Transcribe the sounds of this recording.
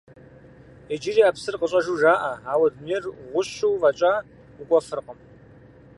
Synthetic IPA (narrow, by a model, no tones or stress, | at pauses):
ed͡ʒɪriːaːpsɨrqəɕʼɐʒuːʒaːʔɐaːwɐdmirʁʷʊɕuwvɐt͡ʃʼaː | ukʷʼɔfɨrqʼəm